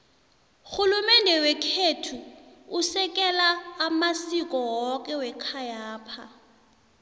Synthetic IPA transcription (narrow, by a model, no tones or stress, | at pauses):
xulumɛndʱɛwɛkʰetʰuusɛk̬ʼɛlaːmasikʼɔwɔk̬ʼɛwɛkʰajaːpʰa